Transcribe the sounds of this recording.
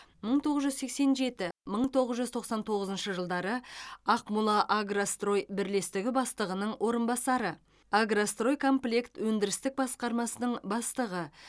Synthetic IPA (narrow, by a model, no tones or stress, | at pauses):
məɴt̪ʰo̞ʁəzʒʏzse̞kse̞nʒe̞t̪ɪməɴt̪ʰo̞ʁəzʒʏzt̪ʰo̞qsɑnt̪ʰo̞ʁəzənʃəʒəlˠd̪ɑɾəɑqmulˠɑʔaɡrast̪ro̞jbɪɾle̞st̪ɪɡʲɪbɑst̪əʁənəɴwʔo̞ɾənbɑsɑɾə | aɡrast̪ro̞jkʰo̞mplʲekt̪wɵnd̪ɪɾɪst̪ɪk̚bɑsqɑɾmɑsənəɴbɑst̪əʁə